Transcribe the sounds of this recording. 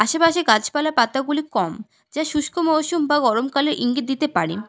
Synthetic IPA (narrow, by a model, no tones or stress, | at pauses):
aʃepaʃeɡat͡ɕpalaɾpat̪aɡulikɔm | d͡ʑaʃuʃkʰomoʃumbaɡɔɾomkaleɾʔiŋɡit̪̚d̪it̪epaɽḭn